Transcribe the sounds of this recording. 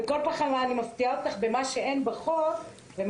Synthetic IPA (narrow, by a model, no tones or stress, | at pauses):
eko̞lpaχalaːnimaft̪iaot̪aχbe̞maʃe̞enbaχoʁ | vem